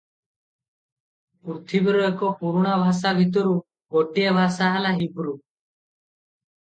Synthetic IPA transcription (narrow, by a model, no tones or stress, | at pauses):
puɾt̪ʰibiɾɔjɛkɔpuɾuɽ̃abʱas̬abʱit̪̬ɔɾu | ɡɔʈiabʱasaɦalaɦibʱɾu